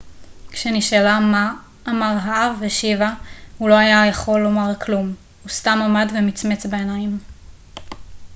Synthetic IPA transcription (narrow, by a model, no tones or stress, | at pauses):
kʃeniʃalamaː | maʁɦaavːeʃivahulo̞ajajaχo̞lːo̞maʁkʰlum | hustamamadvemit͡smet͡sbeenajm